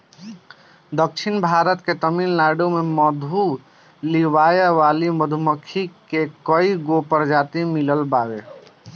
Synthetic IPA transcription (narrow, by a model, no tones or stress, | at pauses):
d̪ək̚t͡ʃʰinbʱaɾət̪ket̪əminlaɖomeməd̪ʱu | liwajəʋaliməd̪ʱuməkʰːikekəiɡopəɾd͡ʒat̪imiləlbawe